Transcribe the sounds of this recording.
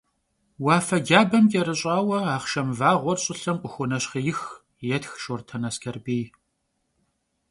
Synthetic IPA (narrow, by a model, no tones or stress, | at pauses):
wɑːfɐd͡ʒaːbɐmtʼɛɾɨɕʼaːwɐaːχʃɐmvaːʁʷɔrɕʼɪɬɐmqʷʼʊxʷʊnɐɕχijɪx | jɛtxʃortʰɐnɐskʰɐrbiːj